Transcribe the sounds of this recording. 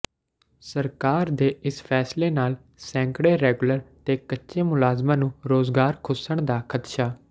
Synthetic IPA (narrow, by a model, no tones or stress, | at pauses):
səɾkaːɾd̪eːʔɪspʰɛːsleːnaːl | sɛ̃ːŋkɽeːɾɛːɡləɾt̪eːkətːʃeːmʊlaːzmãːnũːɾoːzɡaːɾkʰʊsəɳd̪aːkʰət̪ʃaː